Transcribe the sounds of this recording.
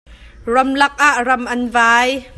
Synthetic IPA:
rɔmlɐk̚ʔaʔrɐmʔɐnvaːj

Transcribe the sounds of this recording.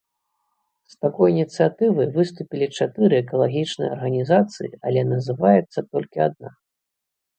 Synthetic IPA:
st̪akɔjnʲit̪sɨjat̪ɨvɨjvɨst̪upʲilʲit͡ʂat̪ɨɾɨɛkɐlˠaɣʲit͡ʂnɨjɐɐ̰rɣɐnʲizat̪sɨjḭɐlʲɛnɐzɨvajɛt̪sːɐt̪ɔlʲkʲiad̪̚na

